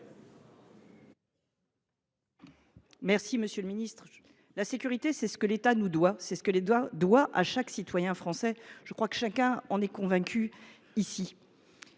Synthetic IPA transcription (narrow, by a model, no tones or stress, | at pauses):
mɛʁsiməsjələminist̪χ | lasekʲyʁit̪esɛsə̥kəlet̪anud̪wasɛsə̥kəlead̪waʔa̰ʃaksit̪wajɛ̃fχɑ̃sɛʒ̥əkχwakə̥ʃakʲɛ̃ɑ̃nɛkɔ̃vɛ̃kʲʰy | isi